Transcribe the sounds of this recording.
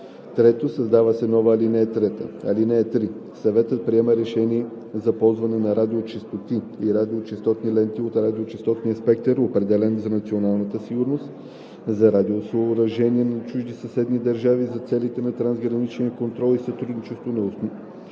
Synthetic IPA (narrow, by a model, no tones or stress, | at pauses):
t̪ɾɛt̪osɐzd̪avəsɛnɔvəːlinɛɛt̪ɾɛt̪ə̰ɐ̰linɛːt̪ɾi | sɐvɛt̪ət̪̚pɾiɛməɾɛʃɛniɛ | zɐpɔlˠzvɐnɛnɐɾad̪iot͡ʃist̪ot̪i | iɾad̪iot͡ʃɛst̪ɔt̪nilɛnt̪iot̪ɾad̪iot͡ʃist̪ɔt̪nijəspɛk̚t̪əɾopɾɛd̪ɛlɛnzɐnɐt̪sionalˠnət̪əsiɡuɾnost̪ | zɐɾad̪iosoɾɐʒɛniɛnɐt͡ʃuʒd̪isɐsɛd̪nid̪ɐɾʒavizɐt̪sɛlit̪ɛnɐt̪ɾanzɡɾɐnit͡ʃniəkont̪ɾɔlˠisɐt̪ɾud̪nit͡ʃɛst̪vonɐoso